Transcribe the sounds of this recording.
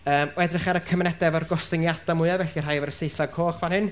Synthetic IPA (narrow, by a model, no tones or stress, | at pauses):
əːmwɛdrɪχaɾəkʰəmnɛdɛvɔrɡɔstɪŋjad̥amʊɨavɛɬiərɦajvɛɾəsejθakʰoːχvanhɪn